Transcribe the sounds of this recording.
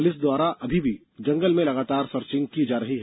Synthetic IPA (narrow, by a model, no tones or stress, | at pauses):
lɪs̬d̪waːɾaʔɐbʱibʱi | d͡ʒɐ̃ŋɡəlmẽlɐɡaːt̪aːɾsɐɾt͡ʃɪ̃ŋɡ̚kid͡ʒaːɾɐɦiɦɛ